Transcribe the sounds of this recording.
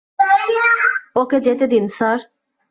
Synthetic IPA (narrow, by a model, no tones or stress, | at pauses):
oked͡ʑet̪ed̪insaɾ